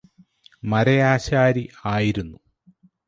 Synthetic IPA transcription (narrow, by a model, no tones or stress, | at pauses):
mɐɾɐjaːɕaːɾiaːjiɾunːu